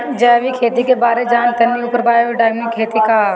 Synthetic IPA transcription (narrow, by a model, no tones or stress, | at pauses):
d͡ʒɐːʋikʰeːt̪ikebaːɾed͡ʒaːnt̪ɐnːiuːpəɾbaːjoɖaːɪmnikʰeːt̪ika